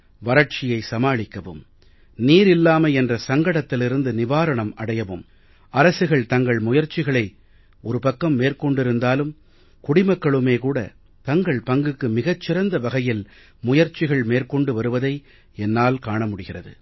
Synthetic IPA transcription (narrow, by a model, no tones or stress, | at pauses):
ʋɐɾɐʈ̚t͡ʃɪjɐɪsɐmaːɭɪkːɐʋɯ̰m | niːɾɪlːaːmɐɛndrɐsɐŋɡɐɽɐt̪ːɪlɪɾɯnd̪ɯnɪʋaːɾɐɳɐmɐɽɐjɐʋɯ̰m | ɐɾɐsɯɣɐɭt̪ɐŋɡɐɭmʊjɐɾt͡ʃɪɣɐɭɐɪ | ɔɾɯpɐkːɐmːeːrkɔɳɖɪɾɯnd̪aːlɯm | kʊɽɪmɐkːɐɭɯmeːkuːɽɐ̰ | t̪ɐŋɡɐɭpɐŋɡɯkːɯmɪɣɐt͡ʃːɪɾɐnd̪ɐʋɐɣɐjɪl | mʊjɐɾt͡ʃɪɣɐɭmeːrkɔɳɖɯʋɐɾɯʋɐðɐɪ | ɛnːaːlkaːɳɐmʊɽɪɣɪrɐðɯ̰